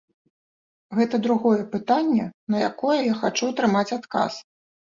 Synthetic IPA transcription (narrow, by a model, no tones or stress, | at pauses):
ɣɛt̪ɐd̪ɾuɣɔjɛpɨt̪anʲːɛnɐjakɔjɛjaxat͡ʂuat̪ɾɨmat͡sʲat̪ka̰s